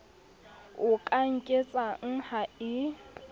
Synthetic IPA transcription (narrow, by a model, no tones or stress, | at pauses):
ʊkʼaŋ̩kʼet͡sʼaŋ̩haɪ